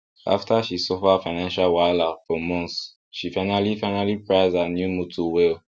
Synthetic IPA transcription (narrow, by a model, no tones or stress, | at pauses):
ʔa̰ftʰəʃisɔfəfaɪnãnʃalwaɪlafɔmɔ̃nts | ʃifaɪ̃nalifaɪ̃nalipɹaɪzdanjumutʰuwil